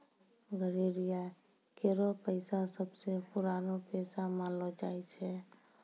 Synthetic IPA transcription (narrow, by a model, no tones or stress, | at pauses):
ɡʱəɾiɾija | keɾɔpəɪsasəbsepuɾanopesamãlɔd͡ʒajt͡ʃʰɛ